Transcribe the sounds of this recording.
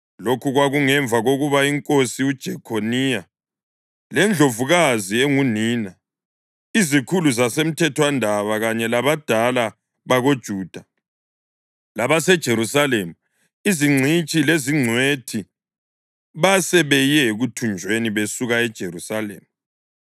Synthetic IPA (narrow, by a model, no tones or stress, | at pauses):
lokʰuɣwaɣuŋɛɱb̪vʱaɣoɣuβaiŋkʼosiud̥ʒ̥ʱɛkʰonija | lɛnd͡ɮʱovuɣazieŋuniːna | izikʰuluzasem̩tʰɛtʰwandʱaβaɣaɲɛlaβad̥ʱala | βaɣod̥ʒ̥ʱuːd̥ʱa | laβasɛd̥ʒ̥ʱeɾusalemu | iziŋ͡ǀʱit͡ʃʼileziŋ͡ǀʱwetʰi | βasɛβɛjɛɣutʰund͡ʒʱweniβesuɣaɛd̥ʒ̥ʱerusalḛːmu